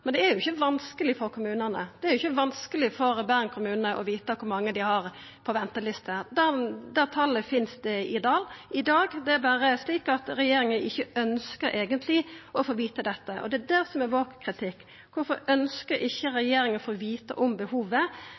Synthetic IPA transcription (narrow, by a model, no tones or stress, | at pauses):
mɛnd̪ɛæɾjʊɪçːəʋɑnskəlɪfɔɾkʰʊmʉːnənəd̪ɛæɾjʊɪçːəʋɑnskəlɪfɔɾbæːɾnkʰʊmʉːnənəʔɔ̰ʋiːt̪əkʰʊɾmɑŋːəd̪ɪhɑɾ | pʰɔʋɛnt̪əlɪst̪əd̪æd̪æːɾt̪ʰɑlːəfɪnsd̪ɛɪd̪ɑːlɪd̪ɑːɡd̪ɛæɾbæːɾəsliːkɑt̪ɾɛjeːɾɪŋənʔɪçːəœnskəɾʔeːɡənt̪ʰlɪɔfoːɾʋiːt̪əd̪ɛt̪ːəʔɔ̰d̪ɛːd̪æɾsɔmɛʋoːkkʰɾɪt̪ʰɪkː | ʋʊɾfɔɾœnskəɾɪçːəɾɛjeːɾɪŋənfoːʋiːt̪ə̰ʔɔmbəhuːʋə